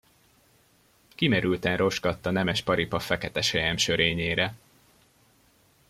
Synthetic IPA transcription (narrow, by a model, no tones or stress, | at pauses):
kimɛɾylt̪ɛnro̞ʒɡɒt̪ːɒnɛmɛʃpɒɾipɒfɛkɛt̪ɛʃɛjɛmʃø̞ɾeːɲeːɾɛ